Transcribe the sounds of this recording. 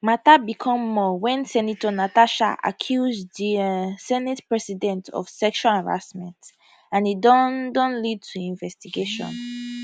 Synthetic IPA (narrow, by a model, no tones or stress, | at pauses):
matabikʰɔ̃mːɔwɛ̃nsɛnitɔnataʃa̰ʔa̰kʰjuzdisɛnitpɹɛsidɛ̃ntʰɔ̰vsɛkʃwalaɹa̰smɛ̰̃nt | ãnidɔdɔ̃nlid̚tʰuĩɱvɛstiɡeʃɔ̰̃n